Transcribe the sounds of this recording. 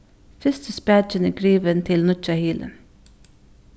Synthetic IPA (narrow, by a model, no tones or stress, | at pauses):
fɪst̪əspæd͡ʒənəɡɾiːʋənt̪ʰɪlnʊt͡ʃɑhiːlʔə̰